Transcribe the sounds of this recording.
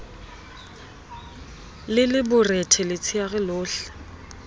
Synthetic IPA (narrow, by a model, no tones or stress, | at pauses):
lɪlɪbʊrɛtʰɛlɪt͡sʰiaɣɪlʊːɬɛ̥